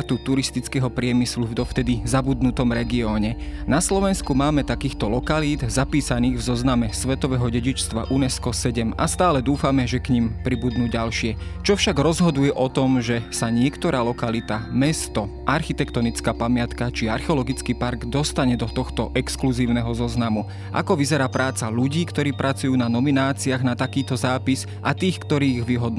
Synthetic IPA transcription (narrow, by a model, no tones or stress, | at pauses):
t̪ut̪uɾist̪it͡skɛɦɔpɾɪɛmislud̪ɔft̪ɛd̪izabud̪nut̪ɔmɾɛɡiɔːɲɛnaslɔʋɛnskumaːmɛt̪akiːxt̪ɔlɔkaliːd̪zapiːsaniːɣvzɔznamɛsʋɛt̪ɔʋɛɦɔɟɛɟit͡ʃst̪ʋa̰ʔunɛskɔsɛɟɛmast̪aːlɛd̪uːfamɛʒɛkɲimpɾibud̪nuːɟalʃɪɛ | t͡ʃɔfʃaɡɾɔzɦɔd̪ujɛʔɔt̪ɔmʒɛsaɲɪɛkt̪ɔɾaːlɔkalit̪amɛst̪ɔ | ʔaɾxit̪ɛkt̪ɔnit͡skaːpamɪat̪kat͡ʃiaɾxɛɔlɔɡit͡skiːpaɾɡd̪ɔst̪aɲɛd̪ɔt̪ɔxt̪ɔʔɛkskluziːʊnɛɦɔzɔznamu | ʔa̰kɔʋizɛɾaːpɾaːt͡saʎuɟiːkt̪ɔɾiːpɾʔat͡sujuːnanɔminaːt͡siaɣnat̪akiːt̪ɔzaːpis | ʔat̪iːxkt̪ɔɾiːiɣʋiɦɔd̪n